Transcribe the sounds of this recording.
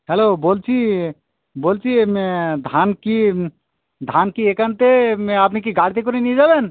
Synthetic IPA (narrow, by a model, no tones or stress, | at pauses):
hɛloboːlt͡ʃʰi | boːlt͡ʃʰimed̪ʱanki | d̪ʱaːnkiekant̪emap̬nek̬iɡaːɽit̪̬ekoɾinid͡ʒaːben